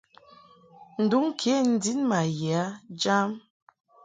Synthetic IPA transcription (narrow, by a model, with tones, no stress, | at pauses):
n̩˨du˦ŋ˦kʰe˨˦˨n̩˨˦di˦nma˨jɛ˨a˦d͡ʒa˦m